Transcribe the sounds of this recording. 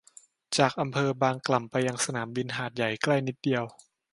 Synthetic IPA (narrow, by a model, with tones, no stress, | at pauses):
t͡ɕaː˨˩k̚ʔa˧mpʰɤː˧baː˧ŋkla˨˩mpa˧jːa˧ŋsa˧naː˩˦mbi˧nɦaː˨˩t̪̚ja˨˩jkla˥˩jni˦˥t̪̚di˧əw